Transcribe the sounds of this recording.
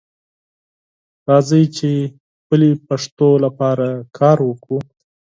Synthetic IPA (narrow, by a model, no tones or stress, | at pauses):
ɾɑzəjt͡ʃe | xpəlepaʂt̪olapɑɾakʰɑɾwəku